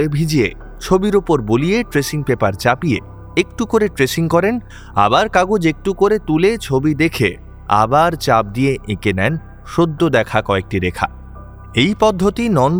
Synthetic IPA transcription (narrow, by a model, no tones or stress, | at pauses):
ebʱid͡ʑie | t͡ɕʰobiɾopoɾbolieʈɾeʃiŋpepaɾt͡ɕapie | ek̚ʈukoɾeʈɾeʃiŋkɔɾen | a̰baɾkaɡod͡ʑek̚ʈukoɾet̪ulet͡ɕʰobid̪ekʰe | a̰baɾt͡ɕap̚d̪ieʔekenɛn | ʃod̪ʱːod̪ɛkʰakɔek̚ʈiɾekʰa̰ | ejpɔd̪ʱːot̪inɔn